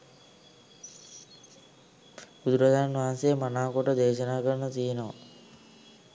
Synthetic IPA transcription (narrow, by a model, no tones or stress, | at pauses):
bud̪uɾad̪aanʋaɦansejmanaːkoʈəd̪eːʃənaːkəɾənət̪ijənoʋa̰